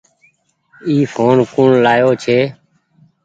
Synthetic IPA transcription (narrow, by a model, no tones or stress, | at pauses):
iːfʰoːnkʊɳlaːjoːt͡ʃʰeː